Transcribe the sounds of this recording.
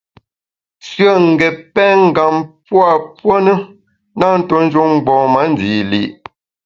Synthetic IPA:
sɥə˦˨ŋ̩˨ɡɛ˨pɛ˦ŋ̩˦ɡa˨mpwa˨pwo˦nə˦ | na˦˨n̩˦to˨˦n̩˦d͡ʒu˦ŋ̩˦ɡ͡bɔ̃ː˨ma˨˦n˦di˨li˨ʔ

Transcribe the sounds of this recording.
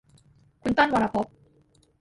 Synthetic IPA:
ku˨nt̪a˥nwa˨ɾa˨po˦p̚

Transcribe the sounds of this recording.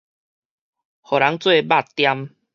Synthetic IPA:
hɔ˨ɾa˨˦ŋt͡swe˥˧ba˥˧˨t̪ja˦m

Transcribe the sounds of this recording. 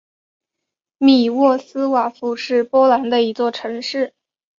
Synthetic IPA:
mi˨˩wɔ˥˩sɹ̩˥wa˨˩fu˥ʂɻ̩˥˩pwɔ˥la˧˥nd̪ə˧i˧˥t͡swɔ˥˩ʈ͡ʂʰɤ˧˥ŋʂɻ̩˥˩

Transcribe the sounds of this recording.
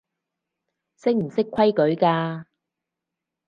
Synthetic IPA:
sɪ˥ŋ̚m̩˨˩sɪ˥kʷʰɐ˥jkɵ˨˥ɥkaː˧

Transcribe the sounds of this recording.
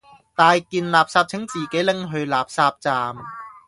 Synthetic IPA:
t̪aː˧jkiː˧nlaː˨p̚saː˧p̚t͡sʰɪ˨˥ŋt͡siː˨˩ke˨˥jlɪ˥ŋɦɵ˧ɥlaː˨p̚saː˧p̚t͡saː˨˧m

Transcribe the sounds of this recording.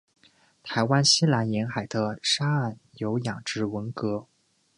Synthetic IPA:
t̪ʰa˧˥ɪwa˥nɕi˥la˧˥njɛ˧˥nxa˨˩ɪd̪ə˦ʂa˥a˥˩njo˧˥ʊjɑ˨˩ŋʈ͡ʂɻ̩˧˥wə˧˥nkɤ˧˥

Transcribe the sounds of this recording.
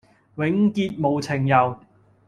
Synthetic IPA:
wɪ˨˥ŋkiː˧t̚mo˨˧wt͡sʰɪ˨˩ŋjɐ˨w

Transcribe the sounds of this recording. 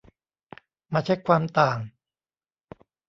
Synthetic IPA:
maː˧t͡ɕʰa˦˥˩jkʰwaː˧mt̪aː˨˩ŋ

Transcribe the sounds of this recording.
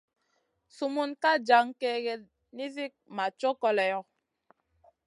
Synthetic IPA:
su˨mu˦nka˦d͡ʒa˨˦ŋke˦ɣɛ˨ | ni˦zi˦k̚ma˨t͡ʃo˦kɔ˦lɛ˨jɔ˨

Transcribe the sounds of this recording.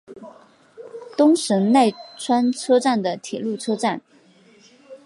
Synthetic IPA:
t̪ʊ˥ŋʂə˧˥ŋna˥˩ɪʈ͡ʂʰwa˥nʈ͡ʂʰɤ˥ʈ͡ʂa˥˩nd̪ə˩t̪ʰjɛ˨˩lu˥˩ʈ͡ʂʰɤ˥ʈ͡ʂa˥˩n

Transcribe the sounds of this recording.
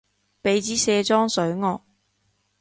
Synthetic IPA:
pe˨˥jt͡siː˨˥sɛː˧t͡sɔː˥ŋsɵ˨˥ɥŋɔː˧k̚

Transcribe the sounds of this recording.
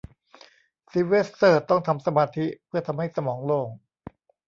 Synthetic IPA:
si˨˦˥we˦˥ssɤː˧˩t̪ːɔ˥˩ŋt̪ʰa˧msa˧maː˧t̪ʰi˦˥ʔpʰɯ˥˩ɐt̪ʰa˧mha˥˩jsa˧mɔː˩˦ŋloː˧˩ŋ

